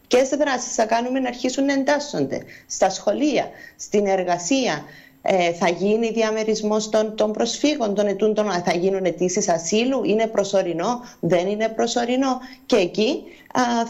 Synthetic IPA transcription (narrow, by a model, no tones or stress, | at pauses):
ce̞sðɾɐsi̥sθɐkɐnume̞nɐːɾçisunːɐe̞nd̪ɐsːo̞̰nd̪e̞̰st̪ɐsxo̞liɐst̪ine̞ɾɣɐsiɐ | eθɐʝiniðiɐme̞ɾizmo̞st̪ont̪o̞mbɾo̞sfiɣo̞nt̪o̞ne̞t̪und̪onθɐʝinune̞t̪isisɐsiluʔine̞pɾo̞so̞ɾino̞ðe̞nine̞pɾo̞so̞ɾino̞ce̞ːci